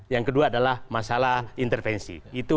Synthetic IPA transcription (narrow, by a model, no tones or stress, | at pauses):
jaŋkəduaːdalahmasalaint̪ɛrfɛnsḭit̪u